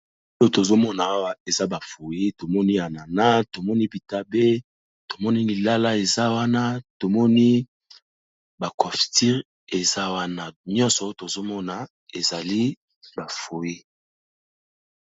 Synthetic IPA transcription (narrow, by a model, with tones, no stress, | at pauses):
o˦jo˦to˨zo˦mɔ˦na˨a˦wa˦e˨za˦ba˨fo˨ji˦to˨mɔ˦ni˦a˨na˨na˦to˨mɔ˦ni˦bi˨ta˦be˦ | to˨mɔ˦ni˦li˨la˦la˦e˨za˦wa˦na˦to˨mɔ˦ni˦ | ba˨kɔ˨fti˦ʁ | e˨za˦wa˦na˨ɲɔ̃˦nsɔ˨˦o˦to˨zo˦mɔ˦na˨ | e˨za˨li˦ | ba˨fo˨ji˦